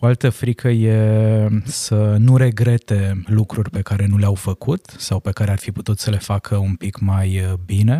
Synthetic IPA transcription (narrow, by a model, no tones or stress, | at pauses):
o̞alt̪əfɾikʰəje | sənuɾe̞ɡɾe̞t̪e̞lukɾurʲpe̞kaɾe̞nuleawfəkut̪sawpe̞kaɾearfiput̪ut̪səle̞fakʰəunpikmajbine̞